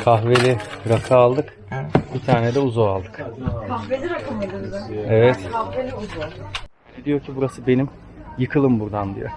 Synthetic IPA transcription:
kʰaɦvelʲiɾakʰaːlˠd̪ɯk | bit̪ʰaːɾned̪ɛuzualˠd̪ɯkkʰahvelʲiɾakʰɯmad̪ɯzaevɛt̪kʰahvelʲiuzua | ned̪ijo̞ɾcʰibuɾasɯbe̞nim | jɯkʰɯlˠɯmbuɾd̪and̪ḭjo̰

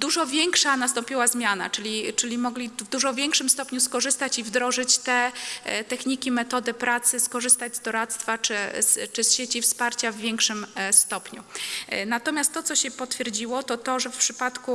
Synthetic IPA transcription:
d̪uʐɔvʲjɛŋkʂanast̪ɔ̃mpʲiwazmʲjana̰t͡ʂɘlʲit͡ʂɘlʲimɔɡlʲivd̪uʐɔvʲjɛŋkʂɘmst̪ɔpɲuskɔʐɘst̪at͡ɕivd̪ɾɔʐɘt͡ɕt̪ɛt̪ɛxɲikʲimɛt̪ɔd̪ɘpɾat̪sɘskɔʐɘst̪ad͡ʑzd̪ɔɾat̪st̪fat͡ʂɘst͡ʂɘsɕet͡ɕifspaɾt͡ɕavːʲjɛŋkʂɘmst̪ɔpɲṵnat̪ɔmʲjast̪ːɔt̪sɔɕɛpɔt̪fʲjɛɾd͡ʑiwɔt̪ɔt̪ɔʐɛfpʂɘpat̪ku

